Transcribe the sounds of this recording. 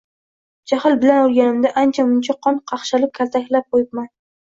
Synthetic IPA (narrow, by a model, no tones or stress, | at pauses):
d͡ʒahɪlbɪlanolˠɡʲanɪmd̪aʔant͡ʃʰamʊnt͡ʃʰaqʰɒnqʰɑχʃalɪp̚kʲʰalt̪ʰakʲlap̚qojɪp̚man